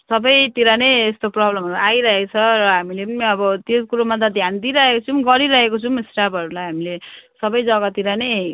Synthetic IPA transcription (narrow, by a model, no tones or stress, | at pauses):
sʌbʌjt̪iɾanejest̪oprʌblʌmajɾʌɦekot͡sʰʌrʌɦamilepʌniʌbʌt̪eskuɾomʌd̪ad̪ʱjand̪iɾʌɦekot͡sʰumɡʌɾiɾʌɦekot͡sʰumisʈapʌɾulajɦamilesʌbʌjd͡zʌɡat̪iɾanej